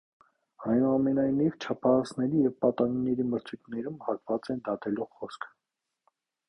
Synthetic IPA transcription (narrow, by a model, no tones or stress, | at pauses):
ɑjnuɑmɛnɑjnivt͡ʃʰɑpʰɑhɑsnɛɾijɛvpɑt̪ɑninɛɾiməɾt͡sʰujt̪nɛɾumhɑk̪vɑt͡sɛnd̪ɑt̪ɛluχɔskʰ